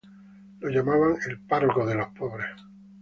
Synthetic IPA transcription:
loʝamaβaŋe̞lparokoðe̞lo̞hpoβɾes

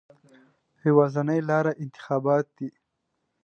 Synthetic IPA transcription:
hiwɑːzanajlɑɾaʔɪnt̪ɪ̥xɑːbɑːt̪̚d̪i

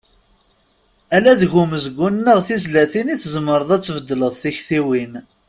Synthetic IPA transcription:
ælæðʝuməzəɡʷːunːəʁθizlæθiniθzəmːəɾˤəðˤæt͡sːvəd̪ːləðˤθiçθiwin

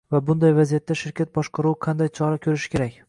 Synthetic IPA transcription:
vabʊnd̪ajvazijat̪ːaʃɪɾkʲʰat̪̚bɒʃqɑɾuwqʰɑnd̪ajt͡ʃʰɒɾakʲʰɵɾɪʃɪ̥kʲʰe̞ɾakʲ

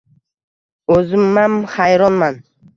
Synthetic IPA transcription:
ɵzɪmːamχajɾɒnman

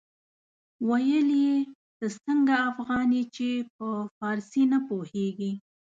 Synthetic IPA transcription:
wajəlie | d̪əsəŋɡaːfɣɑnit͡ʃep̚əfɑɾsinapoheɡi

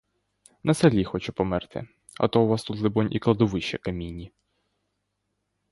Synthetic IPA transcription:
nɐsɐlʲixɔt͡ʃɛpɔmɛrt̪ɪ̰ | ɐ̰t̪ɔwʋast̪ut̪lɪbɔnʲʔiklˠɐd̪ɔʋɪʃt͡ʃɛkɐmʲinʲːi

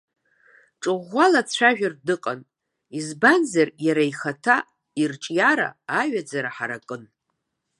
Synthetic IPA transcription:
ʈ͡ʂʼɨʁʷːalat͡sʷʰaʒᶣardɨqʼan | izbanzarjaɾaiχatʰa | irt͡ʃʼjaɾa̰ːɥᶣad͡zaɾaħaɾakʼɨn

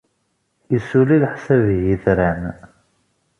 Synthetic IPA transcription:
isulilħsævjiθɾæn

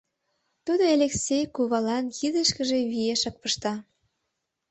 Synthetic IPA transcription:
t̪ud̪oelʲeksʲejkuβɑlɑnjid̪əʃkə̆ʒe̽βieʃɑk̚pəʃt̪ɑ

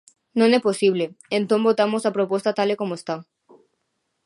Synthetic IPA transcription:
nõneposiβ̞leẽnt̪õmbot̪amosapɾopost̪at̪alekomoest̪a

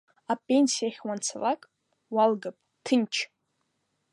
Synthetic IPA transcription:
apʼenʲsijaχʲwant͡sʰalakʼ | walɡapʼtʰɨnt͡ʃʰ

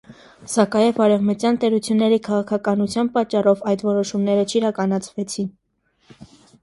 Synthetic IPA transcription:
sɑkɑjɛvɑɾɛvmət̪jɑnt̪ɛɾut͡sʰjunːɛɾikʰɑʁɑkʰɑkɑnut͡sʰjɑnpɑt͡ʃːɑrɔvɑjt̪vɔɾɔʃumnɛɾət͡ʃʰiɾɑkɑnɑt͡sʰvɛt͡sʰin

